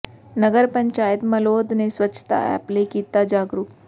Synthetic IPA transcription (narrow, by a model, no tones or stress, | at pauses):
nəɡəɾpəɲt͡ʃaːjət̪məloːd̪nesʋət͡ʃʰt̪a̰ɛ̰plekiːt̪ad͡ʒaːɡɾup